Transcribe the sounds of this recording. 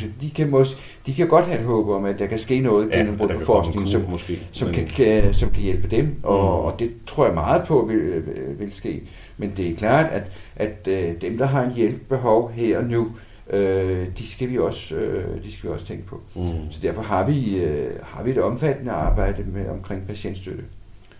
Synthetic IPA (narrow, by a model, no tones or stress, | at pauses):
sd̥ikʰæmɔ̽sɡ̥ | d̥ikʰæɡ̥ɒ̽d̥hæe̝̥ɦɔːb̥əɒ̽mæd̥ɑ̈kʰæsɡ̥e̝̰ːnɔ̽ːð̞̩ˠɡen̰əm̩b̥ɔpɒfɒːsɡne̝ŋn̩sɒ̽msesɒ̽mkʰæsɒ̽mkʰæjelb̥əd̥emʔɒ̽ːd̥e̝t͡sʰʁo̝ɐ̰jɑ̈mɑ̈ːð̩ˠpʰɒ̽ʋeʋe̝lsɡ̥e̝̰ː | mend̥e̝ækʰl̥ɑ̰̈ːd̥æd̥ | ʔæd̥d̥emd̥ɑ̈ɦɑ̈e̝njelb̥̚b̥e̝ɦɒ̽ʊɦeɐ̰ɒ̽nu | ʔød̥isɡ̥æʋiɒ̽sød̥isɡ̥æʋiɒ̽sə̥t͡sʰeŋɡ̥əpʰɒ̽sɒ̽d̥æɐfɒ̽ɦɑ̈ʋiøhɑ̈ʋie̝d̥ɒ̽mfæd̥ənəɑ̈ːb̥ɑ̈ɪ̰d̥əmeʔɒ̽mkʰʁeŋ̰pʰæɕen̰d̥sd̥øɾ̥ə